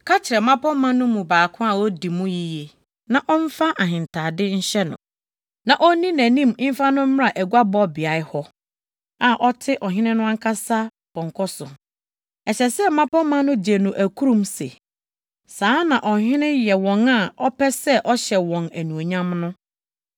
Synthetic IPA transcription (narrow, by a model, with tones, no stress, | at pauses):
kʰa˦t͡ɕʰɪ˨ɾɛ˨mã˦pʰɔ̃˦mːã˦nʊ̃˦mũ˨baː˨kʰʊ̃˦a˨wɔ˦di˨mũ˦ji˨je˨ | nã˨ʔɔ˦ɱ̩˦fa˦ʔa˨ɦɪ̃˨ntʰa˨dɪ˦ɲ̩˦ɕɛ˦nʊ̰̃˨ | nã˨ʔɔ˦nĩ˦næ̃˨nĩ˦˨m˦m̩˦fa˦nʊ̃˦m̩˦m˦ɾa˨ʔæ˨ɡʷa˦bɔ˦bɪ˨a˨ɪ˦hɔ˦ | a˨ʔɔ˦tʰɪ˦ʔɔ˨ɦɪ̃˦nɪ̃˦nʊ̃˦a˦ŋ˦kʰa˦sa˦ | b̥ʰɔ̃˨ŋ˨kʰɔ˦sʊ˨ | ɛ˨ɕɛ˨sɛ˦m̩˦mã˦pʰɔ˦mã˦nʊ̃˦d͡ʑe˨nʊ̃˨ʔæ˨kʰu˦ɾũ˦mse˨ | sãː˦nã˨ʔɔ˨ɦɪ̃˦nɪ̃˦jɛ˨wɔ̃˨ŋa˨ɔ˦pʰɛ˦sɛ˦ʔɔ˦ɕɛ˨wɔ̃˨næ˨nũ˨o˨ɲã˦mnʊ̃˦